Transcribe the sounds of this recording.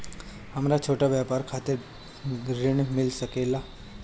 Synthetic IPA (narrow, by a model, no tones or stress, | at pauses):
hɐmɾat͡ʃʰoːʈaʋjapaːɾkʰaːt̪e | ɾɪɳmɪlsəkeːla